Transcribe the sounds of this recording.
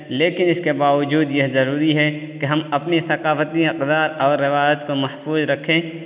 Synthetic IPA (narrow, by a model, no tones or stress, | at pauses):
leːkɪnɪskebaːʋəd͡ʒuːd̪jɛɦzɐɾuːɾiɦɛkeɦɐmɐpnisɐqaːfət̪iɪqd̪aːɾɔːɾːɪʋaːjət̪komɐhfuːzɾɐkʰẽː